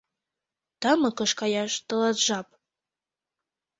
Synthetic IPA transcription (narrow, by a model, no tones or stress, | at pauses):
t̪ɑməkɤʃkɑjɑʃt̪ə̆lɑt̪ʒɑp̚